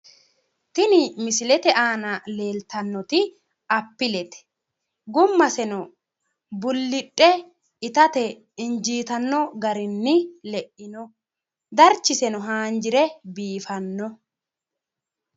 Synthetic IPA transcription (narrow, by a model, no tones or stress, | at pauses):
t̪ɪnɪmɪsɪlɛt̪ɛʔaːnɐle̞ːlt̪ɐnːɔt̪ɪ | ɐpːɪlɛt̪ɛ̥ | ɡʊmːɐsɛnɔ | bʊlːɪtʼːɛ | ɪt̪ɐt̪ɛ | ɪnd͡ʒiːt̪ɐnːɔɡɐɾɪnːɪlɛʔɪnɔ | d̪ɐɾt͡ʃːɪsɛnɔɦaːnd͡ʒɪɾɛbiːfɐnːɔ